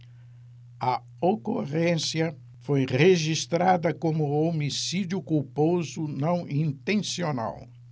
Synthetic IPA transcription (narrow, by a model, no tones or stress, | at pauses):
ɐ | oko̰ʁẽsjɐ | fojʁeʒist̪ɾad̪ɐkõmʊomisid̪jʊkuwpozʊnɐ̃w̃ĩnt̪ẽsiona̰w